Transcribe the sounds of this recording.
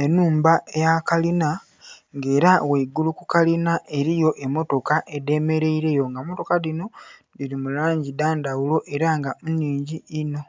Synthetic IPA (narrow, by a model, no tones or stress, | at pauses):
e̞nuːmbaejakalina | ŋɡe̞ːɾaweiɡulukukalinaʔe̞ɾijo̞ʔe̞mo̞to̞kaʔe̞de̞me̞ɾe̞iɾe̞jo̞ŋɡamoto̞kadino̞diɾimulaːɲɟidaːndawulo̞ʔe̞ɾaŋɡamuniːɲɟiːno̞